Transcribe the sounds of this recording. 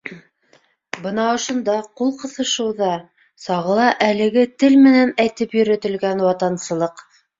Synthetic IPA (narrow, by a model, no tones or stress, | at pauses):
bɤnɑŏʃŏnd̪ɑqulˠqɤ̆θɤ̆ʃɤ̆wðɑ | sɑʁɤ̆lˠɑʔælɘ̆ɡɘt̪ɘlmɘ̆nænæjt̪ɘpjɵ̆ɾɘ̆t̪ɘ̆lɡænwɑt̪ɑnsɤ̆lˠɤq